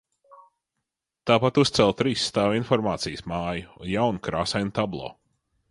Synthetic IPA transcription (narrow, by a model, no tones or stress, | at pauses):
t̪aːpat̪ust̪sɛlˠt̪ɾiːsːt̪aːvinfɔɾmaːt̪sijəsmaːjujawnkɾaːsajnut̪ablˠɔ̰ː